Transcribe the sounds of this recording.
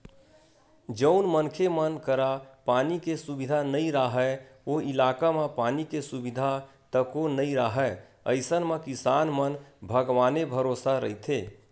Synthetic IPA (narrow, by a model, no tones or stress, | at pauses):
d͡ʒəʊnmənkʰemənkəɾapanikesubid̪ʱanəiɾaɦɛ | oilakamepanikesubid̪ʱa | t̪əkonəiɾaɦɛ | ə̰ɪsənmekisanmənbʱəɡʋaːnebʱəɾosaɾəɦit̪ʰe